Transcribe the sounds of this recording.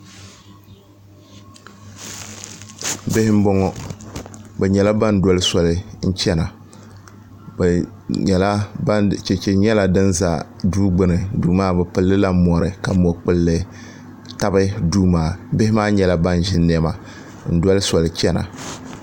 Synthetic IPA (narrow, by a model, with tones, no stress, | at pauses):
be˦hɪ˦m̩˦bɔ˦ŋɔ˦ | bɛ˨ɲɛ˨la˦ba˦n˦dɔ˦lɨ˦sɔ˨lɨ˨n̩˦t͡ʃɛ˦na˨ | bɛ˨ | ɲɛ˨la˦ba˦t͡ʃɛ˨t͡ʃɛ˨ɲɛ˦la˨dɨ˦nza̰˨duː˦ɡ͡bɨ˦˨nɨ˨duː˨maː˦bɛ˨pɨ˨lːɨ˦la˦mɔ˨ɾɨ˨ka˨mɔ˨k͡pɨ˦lːɨ˦ | ta˦bɨ˦duː˦maː˦˨bɪ˦hɪ˦maː˦ɲɛ˨la˦ba˦n˨ʒɪ˦nː˦ɛ˦ma˨ | n̩˦dɔ˦lɨ˦sɔ˨lɨ˨t͡ʃɛ˦na̰˨